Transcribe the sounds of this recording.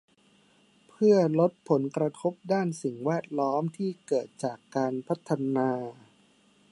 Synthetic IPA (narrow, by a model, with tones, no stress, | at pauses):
pʰɯ˥˩ɐlo˦˥t̪̚pʰo˩˦nkɾa˧t̪ʰo˦˥p̚daː˥˩nsi˨˩ŋwɛː˥˩t̪̚lɔː˦˥mt̪ʰiː˥˩kɤː˨˩t̪̚t͡ɕaː˨˩kːaː˧npʰa˦˥t̪ʰːa˧naː˧